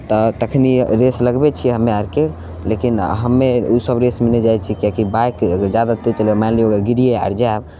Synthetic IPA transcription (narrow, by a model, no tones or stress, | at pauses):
t̪ɔt̪əkʰniɾesləɡbet͡ʃʰiɦəmːeaɾke | lekinɦəmːeusəbɾesmenɛd͡ʒajt͡ʃʰikakibajkɡəɾd͡ʒjad̪at̪et͡ʃəlemanlioɡəɾɡiɾijea̰ɾd͡ʒab